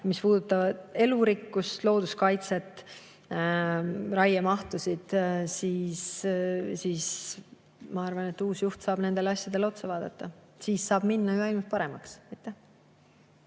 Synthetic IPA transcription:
mispuːd̪̥ut̪ːˑɑvɑd̪e̞luɾikːust̪lo̞ːd̪̥uskɑjt̪se̞t̪ːˑ | rɑjemɑht̪usid̪̥siːs | siːs | mɑɑrvɑne̞t̪ːuːsjuht̪sɑːb̥ne̞nd̪̥e̞lɑsʲjɑd̪̥e̞lo̞t̪sevɑːd̪̥ɑt̪ˑːɑ | siːsːɑːb̥minːɑyɑjlmut̪̚pɑɾe̞mɑkseijt̪ːˑe

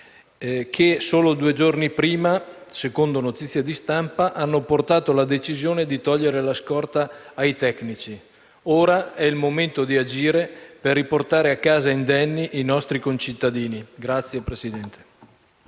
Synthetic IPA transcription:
kʰesoːlod̪uːed͡ʒornipɾiːmasekond̪onot̪it̪sːjad̪ist̪ampaʔanːoport̪aːt̪olad̪et͡ʃizjoːned̪it̪ɔʎːeɾelaskɔrt̪aːjt̪ɛknit͡ʃi | oːɾaɛilmoment̪od̪iad͡ʒiːɾeperːiport̪aːɾeakːaːzaind̪ɛnːiʔinɔst̪ɾikont͡ʃit̪ːad̪iːniɡɾat̪sːjepɾesid̪ɛnt̪e̥

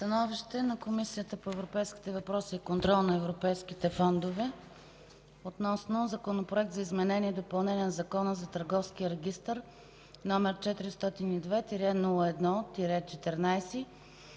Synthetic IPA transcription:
st̪ɐnɔviʃt̪ɛnɐkomisijət̪əpoɛvɾopɛjski̥t̪ɛvɐpɾɔsiːkont̪ɾɔlˠnɐɛvɾopɛjskit̪ɛfɔnd̪ovɛ | ot̪nɔsnozɐkonopɾoɛk̚t̪zɐizmɛnɛniɛd̪opɐlˠnɛniɛnɐzɐkɔnəzɐt̪əɾɡɔfskiəɾɛɡ̟ʲist̪əɾ | nɔmɛɾt͡ʃɛt̪iɾist̪ɔt̪inid̪vɛt̪iɾɛnulˠəɛd̪nɔt̪iɾʲɛt̪t͡ʃɛt̪ɛɾnajsi

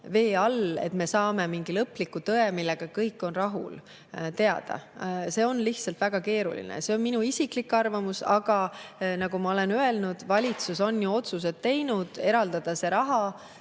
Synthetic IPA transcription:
ve̞ːɑle̞̰t̪me̞sɑːme̞miŋɡ̥ilɤpːˑlikːˑut̪ɤe̞milːe̞ɡ̥ɑkɤjkːˑo̞nrɑɦṵl | t̪e̞ɑd̪̥ɑ̰se̞ːo̞nliht̪sɑlt̪væɡ̥ɑke̞ːɾṵlḭnḛse̞o̞nminuisiklikːɑrvɑmusɑ̰ɡ̥ɑnɑɡumɑo̞le̞nye̞lnud̪̥vɑlʲit̪suso̞njuo̞t̪sus̬e̞d̪t̪ːe̞jnud̪̥e̞ɾɑld̪ɑd̪̥ɑse̞ɾɑɦɑ

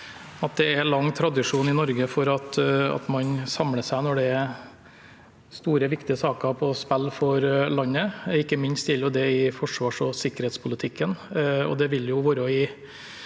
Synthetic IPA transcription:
ɑt̪̚d̪ɛɛɾlɑŋːt̪ʰɾɑd̪ɪʂuːnɪnɔɾɡəfɔɾɑt̪ɑ̰t̪mɑnsɑmləsæɪnɔɖɛɛ | st̪uːɾəʋɪkt̪ɪəsɑːkəpʰɔspɛlːfɔɾlɑnːəɪkːəmɪnst̪jɛlːjʊd̪ɛɪfɔʂʋɑːʂɔsɪkːəɾheːt̪spʰʊlət̪ʰɪkʰːənɔ̰d̪ɛʋɪlːjʊʋʊɾɔɪ

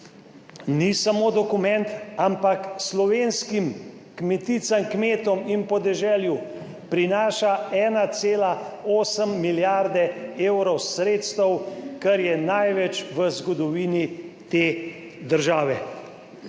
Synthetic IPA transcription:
nisamoːd̪ɔkumɛnt̪ampakslɔʋenskim | kmɛt̪it̪samkmeːt̪ɔminpɔd̪ɛʒɛːlju | pɾinaːʃaɛːnat̪seːlaoːsəmːiljaɾd̪ɛewɾɔwsɾeːt̪st̪əwkɛɾjɛnajʋɛt͡ʃʋəzɡɔd̪ɔʋiːnit̪eː | d̪əɾʒaːʋɛ

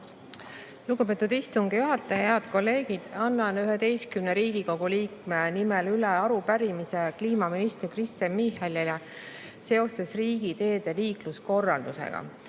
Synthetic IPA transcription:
luɡ̥upe̞ːt̪ːˑud̪ist̪uŋɡ̥ijuɦɑt̪ːˑeheɑd̪̥ko̞lːe̞ːɡ̥id̪̥ɑnːɑnyɦet̪e̞jskymneɾiːɡ̥iko̞ɡ̥uliːkmenimelyleɑɾupæɾimise̞kliːmɑminist̪erkrist̪ɑnmihelile | se̞o̞se̞sriːɡ̥it̪e̞ːd̪̥e̞liːklusko̞rːɑld̪usḛɡ̥ɑ̰

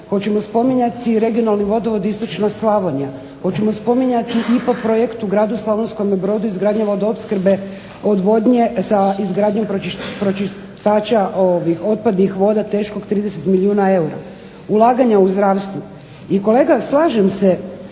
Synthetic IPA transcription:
xo̞t͡ɕe̞mo̞spo̞miɲat̪iɾe̞ɡio̞nalniʋo̞d̪oʋo̞d̪ist̪ot͡ʃnaslaʋonia | xo̞t͡ɕe̞mo̞spo̞miɲat̪iʔipakpɾo̞jekt̪uɡɾaːd̪uslˠaʋonsko̞mebɾo̞d̪uizɡɾaːd̪ɲeʋo̞d̪oopskɾ̩be̞ | o̞d̪ʋo̞d̪ɲesaizɡɾaːd̪ɲo̞mpɾopɾot͡ʃi | t̪aːt͡ʃaʔoʋixo̞t̪̚pad̪nixʋo̞d̪at̪e̞ːʃko̞ɡt̪ɾiːd̪eset̪miliuːnae̞uɾa̰ | ulˠaːɡaɲauzd̪ɾaːʋst̪ʋu | iko̞le̞ːɡaslˠaːʒemse

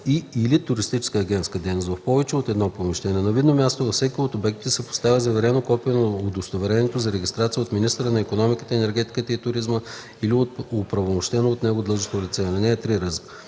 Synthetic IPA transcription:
iilit̪ʊɾist̪it͡ʃɛ̥skəɐɡʲɛnt̪skəd̪ɛjnost̪vɐfpɔvɛt͡ʃɛot̪ɛd̪nɔpomiʃt̪ɛnɛnɐvid̪nomʲjast̪ovɐfsɛkʲiot̪obɛkt̪i̥t̪ɛsɛpo̥st̪avʲəzɐvɛɾɛnokɔpiɛnood̪ost̪ovɛɾɛnɛt̪ozɐɾɛɡʲist̪ɾat̪siəot̪minist̪əɾənɐikonɔmikə̥t̪əɛnɛɾɡʲɛt̪i̥kət̪əit̪ʊɾizmə | iliot̪opɾɐvomoʃt̪ɛnoːt̪nɛɡod̪lˠɤʒost̪olʲit̪sɛnɛnɛːt̪ɾiɾəzə̥

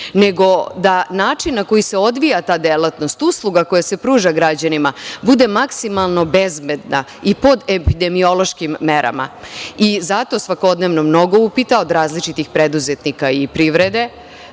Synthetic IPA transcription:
ne̞ɡo̞d̪anaːt͡ʂinːako̞jiseo̞d̪ʋijat̪aːd̪elat̪no̞st̪uslˠuɡako̞jase̞pɾuːʒaɡɾad͡ʑanimabud̪e̞maksimalˠno̞bezbed̪na̰ | ipo̞d̪epid̪e̞mio̞lo̞ʃkimːeɾa̰ma̰izat̪o̞sʋako̞d̪neʋno̞mno̞ɡo̞upit̪ao̞d̪ɾaːzlit͡ʃit̪ixpɾed̪uzet̪nikaipɾiʋɾed̪e̞

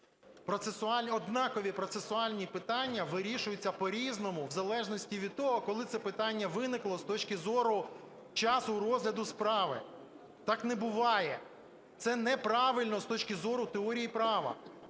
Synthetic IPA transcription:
pɾɔt̪sesʊɑɔd̪nɑkɔʋʲipɾɔt̪sesʊɑlʲnʲipɪt̪ɑnʲːɐʋɪɾʲiʃʊjʊt͡sʲːɐpɔɾʲiznɔmʊwzɐlˠɛʒnɔsʲtʲiʋʲid̪̚t̪ɔɦɔkɔlˠɪt̪sɛpɪt̪ɑnʲːɐʋɪnɪklˠɔst̪ɔt͡ʃkɪzɔɾʊ | t͡ʃɑsʊɾɔzɦlʲɐd̪ʊspɾɑʋɪ̰ | t̪ɑknebʊʋɑjɛ | t̪sɛnɛpɾɑʋɪlʲnɔst̪ɔt͡ʃkʲɪzɔɾʊt̪eɔɾʲijipɾɑʋɐ̰

